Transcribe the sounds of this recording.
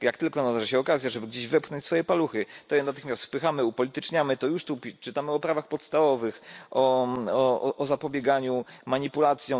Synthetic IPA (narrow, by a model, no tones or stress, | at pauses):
jakt̪ɘlkɔnalɛʐaɕɛɔkazʲjaʐɛbɘɡd͡ʑeʑvɛpxnɔɲt͡ɕʲsfɔjɛpaluxɘt̪ɔjɛnat̪ɘxmʲast̪fpɘxamɘupɔlʲit̪ɘt͡ʂɲamɘt̪ɔjuʂt̪upʲt͡ʂɘt̪amɘɔpɾavaxpɔt̪st̪avɔvɘxʔɔɔɔʔɔzapɔbʲjɛɡaɲumaɲipulat̪sʲjɔ̃